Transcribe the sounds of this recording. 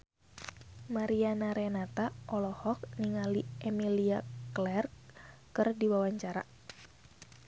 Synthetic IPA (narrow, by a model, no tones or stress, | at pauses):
maɾianaɾɛnat̪aʔɔlɔhɔk̚niŋaliʔɛmiliaklɛrkkɨrdiwawaɲt͡ʃaɾa̰